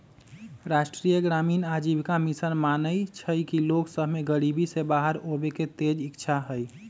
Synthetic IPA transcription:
ɾasʈɾijəɡɾaminad͡ʒibkamisənmanəjt͡ʃʰəkiloksəbʱmeɡəɾibisebaɦəɾobeket̪ed͡ʒikt͡ʃʰaɦəj

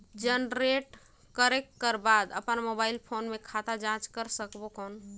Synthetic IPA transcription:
d͡ʒənɾeʈ | kəɾekːəɾbad̪ə̰pənmobailpʰonmekʰat̪ad͡ʒãt͡ʃkəɾsəkbokɔn

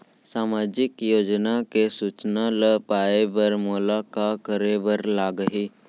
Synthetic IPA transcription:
saːmaːd͡ʒɪkjoːd͡ʒnakesuːt͡ʃnaləpaːebəɾmoːlakakəɾebəɾlaːɡəɦiː

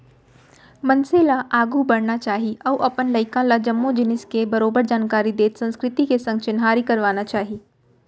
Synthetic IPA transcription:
mɐnselaʔaːɡubɐɽnat͡ʃaːɦiɔːɾʔɐpənlɐɪkãlad͡ʒɐmːod͡ʒɪnɪskebɐɾoːbəɾd͡ʒaːnkaːɾid̪eːt̪sɐ̃nskɾɪt̪ikesɐ̃ŋɡt͡ʃɪnɦaːɾikɐɾʋaːnat͡ʃaːɦiː

